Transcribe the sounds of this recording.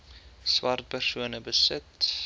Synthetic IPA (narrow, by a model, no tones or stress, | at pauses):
swɐrt̚pərsuənəbəsət